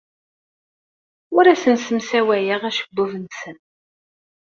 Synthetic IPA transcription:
ʊɾæsənsəmsæwæjəʁæʃə̥ɡːuvənsən

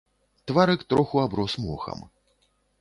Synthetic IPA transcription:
t̪vaɾɨkt̪ɾɔxuabɾɔsmɔxɐ̰m

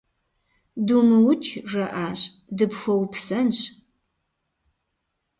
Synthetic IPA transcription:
dumɨwʊt͡ʃʼʰʒɐʔaːɕʼ | dɨpxʷɔwpsɐnɕ

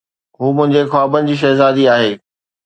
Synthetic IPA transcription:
ɦuːmʊ̃ɦɪ̃ɲd͡ʑexwaːbən̆d͡ʑiːʃ̬ɐɦzaːd̪iaːɦeː

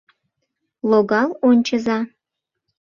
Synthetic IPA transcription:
lˠoɣɑlˠonʲt͡ɕəzɑ

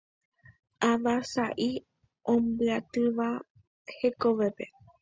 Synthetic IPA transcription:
aʋasaʔi | õmbɨat̪ɨʋa | he̞koʋe̞pe̞

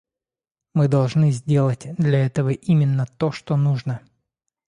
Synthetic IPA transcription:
mɨd̪ɐlˠʐnɨzʲdʲe̞lˠətʲd̪lʲɐɛt̪əvəʔimʲɪnːət̪oʂt̪onuʐnə

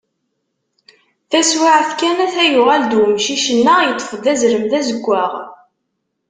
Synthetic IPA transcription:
θæswaʕθkænæθæjʊʁæld̪wəmʃiʃənːajət̪ˤːə̥fd̪æzɾəmðæzəɡʷːæʁ

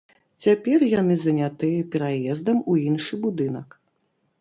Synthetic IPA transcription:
t͡sʲapʲɛrjanɨzɐnʲat̪ɨjɐpʲɛɾajɛzd̪ɐmuinʂɨbud̪ɨnɐk

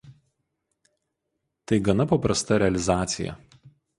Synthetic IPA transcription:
t̪ɐɪɡɐnɐpɐpɾɐst̪ɐɾʲɛɐlʲɪzɑːt̪sʲɪjɛ̰

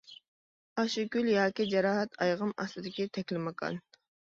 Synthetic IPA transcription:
ɑʃikʲyljɑːkʲid͡ʒɛɾɑːɦɛt̪ʰɑjʁəmɑ̰st̪ɨd̪ɪkʲit̪ʰɛkʲlɪmɑqʰɑ̰n

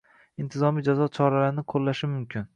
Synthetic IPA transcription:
ɪnt̪ʰɪzɒmijd͡ʒazɒt͡ʃʰɒɾalaɾnɪqʰolːaʃɪmʊmkʲʰɪn

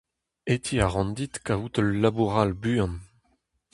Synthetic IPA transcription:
et̪ʰiaʁɑ̃nd̪it̪kaut̪əlːabuʁalbyɑ̃n

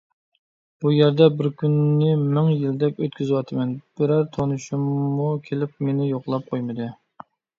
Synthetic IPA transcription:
b̥ujæɾd̪ɛbɪɾkʲynːɪmɪŋjild̪ɛkʲøt̪kʲʰyzɪwɑt̪ʰɨmɛnb̥ɪɾæɾt̪ʰonuʃumːukʲʰelɪp̚menɪjoqlˠɑp̚qʰojmɨd̪ɨ

